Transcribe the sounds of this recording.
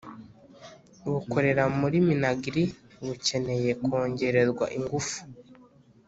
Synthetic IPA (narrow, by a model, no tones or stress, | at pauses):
βuko̞ɾe̞ɾamuɾiminaɡiɾi | βuce̞ne̞je̞ko̞ːɲɟe̞ɾe̞zɡwa̰ʔiŋɡufu̥